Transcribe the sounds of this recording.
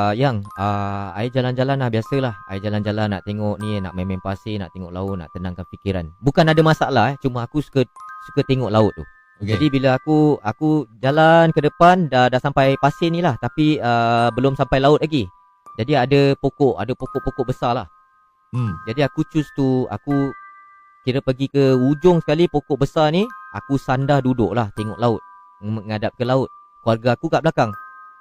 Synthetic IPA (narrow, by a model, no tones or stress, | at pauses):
jaŋəa̰id͡ʒaland͡ʒalanlahbiasəlahajiʔd͡ʒaland͡ʒalanːa̰ʔt̪eŋɔʔnĩna̰ʔmẽmɛ̃ŋpasɪna̰ʔt̪eŋɔʔla̰ʊt̪̚na̰ʔt̪ənãŋkanfikiɾa̰nbukanadamasaalaɛt͡ʃumaakusu̥kəsu̥kət̪eŋɔʔlaʊt̪̚ːṵ | d͡ʒadibiləakuakud͡ʒalankədəpandadaʔsampajpasɪnĩlaht̪apiəbəlʊmsampajlaʊt̪̚laɡi | d͡ʒadiadəpokɔʔa̰dəpokɔʔpokɔʔbəsala̰h | d͡ʒadiakut͡ʃʊst̪ua̰ku | kiɾəpəɡikəud͡ʒʊŋsə̥kalipokɔʔbəsaniakusandahdudʊ̰ʔlaht̪eŋɔʔlaʊt̪̚ | əŋadap̚kəlaʊt̪̚ | kuarɡaːkuɡaʔblakaŋ